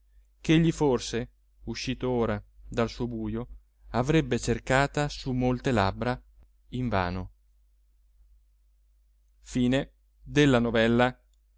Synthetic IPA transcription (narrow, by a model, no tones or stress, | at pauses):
keʎːiforse | uʃːiːt̪ooːɾad̪alsuːobuːjo | avɾɛbːet͡ʃerkaːt̪asumolt̪ela̰bːɾa | iɱva̰ːno | fiːne | d̪elːanovɛlːa